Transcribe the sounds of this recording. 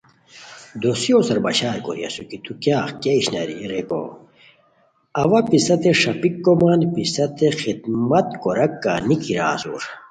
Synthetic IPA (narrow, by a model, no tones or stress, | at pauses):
d̪osijoːsɐɾbɐɕaːɾko̰ɾiɐ̰sukit̪ukjaːxkeiɕnɐ̰ɾḭɾeko̰ː | ɐʋɐpisɐt̪eʂɐpikːomaːnpisɐt̪exid̪mɐt̪koɾɐkːa̰nikiɾa̰ːsṵːɾ